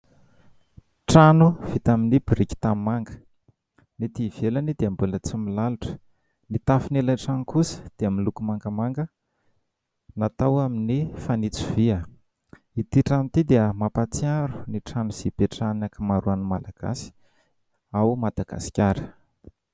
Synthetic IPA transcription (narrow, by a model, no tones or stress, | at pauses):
ʈ͡ʂanuv̥it̪aminibiɾiki̥t̪ammaŋɡə̥ | nit̪ivelanid̪eambulət͡similaluʈ͡ʂə̥ | nit̪afinelaʈ͡ʂanikusə̥d̪̥eamilukumaŋɡəmaŋɡə | nat̪awaminifanit͡sivia | it̪iʈ͡ʂamit̪id̪eəmapat͡siaɾu̥niʈ͡ʂanuz̥ib̥eʈ͡ʂannakəmaɾuanmalaɡ̥a̰si̥ | awmad̪̥aɡa̰si̥kʲaɾə̥